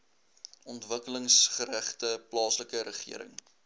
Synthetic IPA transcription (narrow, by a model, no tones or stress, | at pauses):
ɔntvəkələŋsχəɾæχtəplɑːsləkəɾəχḭəɾə̰ŋ